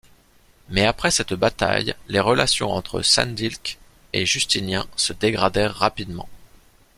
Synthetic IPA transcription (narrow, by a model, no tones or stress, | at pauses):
mɛapχɛsɛt̪bat̪a̰jleʁəlasjɔ̰̃ɑ̰̃t̪χə̰sɛ̰̃nd̪ilk | eʒyst̪injɛ̃səd̪eɡʁad̪ɛʁːapid̪mɑ̰̃